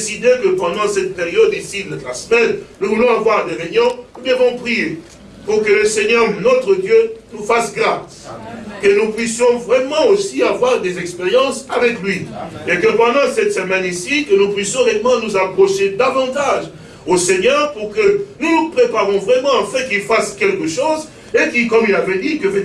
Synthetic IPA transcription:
d̪esid̪ekəpɑ̃d̪ɑ̃sɛt̪̚peʁjɔd̪isid̪ɛt̪lasəmɛnnuvulɔ̃avwaʁd̪eʁeɲjɔ̃ubjɛ̃kɔ̃pχie | puʁkələsɛɲœʁnɔt̪χəd̪jønufasɡʁaskənupɥisjɔ̃vʁɛmɑ̃osiavwaʁd̪ezɛkspeʁjɑ̃savɛklɥiekəpɑ̃d̪ɑ̃sɛt̪səmɛnisikənupɥisjɔ̃ʁɛmɑ̃nuzapχɔʃed̪avɑ̃t̪aʒ | osɛɲœʁpuʁkənunupχepaʁɔ̃vʁɛmɑ̃ɑ̃fɛ̃kilfaskʲɛlkəʃoz | ekikɔmilavɛd̪ikəfɛ

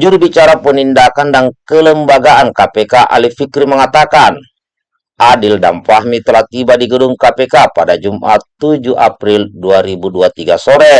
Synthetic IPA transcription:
d͡ʒuɾbit͡ʃaɾapənindakandankələmbaɡaankapɛkaʔa̰lifikɾiməŋat̪akan | ʔadildampaɦmit̪əlaht̪ibadiɡəduŋkapɛkapadad͡ʒumʔa̰t̪ud͡ʒuʔapɾilduaɾibuduat̪iɡasɔɾɛ

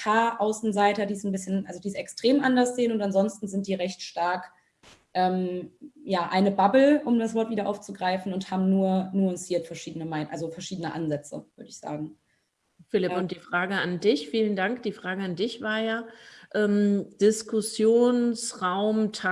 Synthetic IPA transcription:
kʰaːʔaʊsn̩zaɪtɐdiːsn̩bɪsçənʔalzodiːsɛkstʁ̥eːmʔandɐsz̥eːənʊntanzɔnstn̩zɪnt̚d̥iːʁɛçtʃtaɐk | ʔɛːmjaːʔaɪnəbabl̩ʔʊmdasv̥ɔɐtviːdɐʔa̰ʊft͡suɡʁaɪfn̩ʊnthaːbm̩nuːɐnuːɐʊntsiːɐtfɛɐʃiːdənəmaɪnʔalzofɛɐʃiːdənəʔa̰nzɛt͡sə̰v̥ʏɐdəɪçz̥a̰ːɡŋ̩ | fɪlɪpʊnt̚d̥iːfʁ̥aːɡəandɪçfiːləndaŋkd̥iːfʁ̥aːɡəandɪçv̥aːɐjaːʔɛːmd̥ɪskʊsjoːnsʁaʊmtʰa

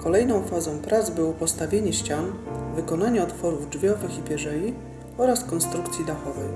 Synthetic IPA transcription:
kʰɔlɛjnɔ̃w̃fazɔ̃w̃pɾat̪zbɘwɔpɔst̪avʲjeɲɛɕt͡ɕanvɘkɔnaɲɛɔt̪fɔɾuvd͡ʐvʲjɔvɘxipʲjɛʐɛji | ɔɾaskɔnst̪ɾukt̪sʲjid̪axɔvɛj

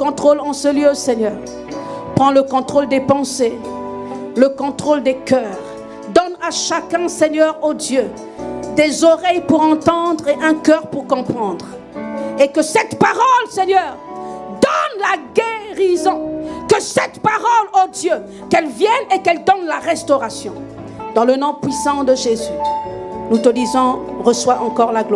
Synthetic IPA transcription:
kɔ̃t̪χolɑ̃səljøsɛɲœːʁ | pχɑ̃ləkɔ̃t̪χold̪epɑ̃se | ləkɔ̃t̪χold̪ekœːʁ | d̪ɔnaʃakɛ̃sɛɲœʁod̪jø | d̪ezɔʁɛjpuʁɑ̃t̪ɑ̃d̪ʁeʔɛ̃kœʁpuʁkɔ̃pχɑ̃d̪ʁ | ekəsɛt̪paʁɔlsɛɲœʁd̪ɔnlaɡeʁizɔ̃kəsɛt̪paʁɔlod̪jø | kɛlvjɛnekɛld̪ɔnlaʁɛst̪ɔʁasjɔ̰̃ | d̪̥ɑ̃lənɔ̃pɥisɑ̃d̪əʒezynut̪əlizɔ̃ʁəswaʔɑ̃kɔʁlaɡlw

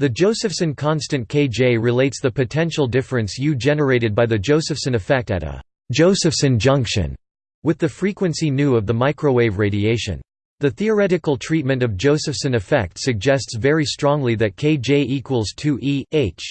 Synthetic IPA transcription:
ðɨd͡ʒoʊsɨfsɨ̃nkʰɑ̃nstɨ̃nkʰeɪd͡ʒeɪɹɨleɪtsðɨpɨtʰɛ̃nʃl̩ˠdɪfɹɨ̃nsjɨd͡ʒɛnə˞eɪɾɨd̚baɪðɨd͡ʒoʊsɨfsɨ̃nɨfɛk̚tɨ̰ɾə̰̥ | d͡ʒoʊsɨfsɨ̃nd͡ʒʌ̃ŋkʃɨ̰̃n | wɨðɨfɹikwɨ̃nsinʉʌvðəmaɪkɹoʊweɪvɹeɪɾieɪʃɨ̰̃n | ðɨθiə˞ɛɾɨkl̩ˠtʰɹ̥it̚mɨ̃ntʌvd͡ʒoʊsɨfsɨ̃nɨfɛ̰k̚tsɨɡ̚d͡ʒɛstsvɛɹistɹ̥ɔ̃ŋliðɨt̚kʰeɪd͡ʒeɪʔikʰwəl̩ˠz̥tʰɨʔieɪt͡ʃ

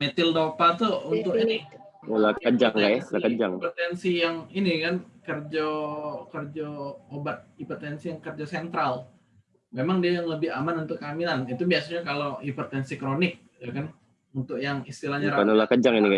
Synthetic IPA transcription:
met̪ɪldopat̪uunt̪ʊkinɪ | olakəd͡ʒaŋkaʔjalakəd͡ʒaŋpot̪ɛnsijaŋinikankərd͡ʒokərd͡ʒɔobat̪̚ipot̪ɛnsijaŋkərd͡ʒasɛnt̪ɾal | memaŋdiajaŋləbɪamanunt̪ʊkːaminanit̪ubiasaɲakaloipərt̪ɛnsikɾonɪk̚ | jakan | unt̪ʊk̚jaŋist̪ilahɲaɾakanolakəd͡ʒaŋinika

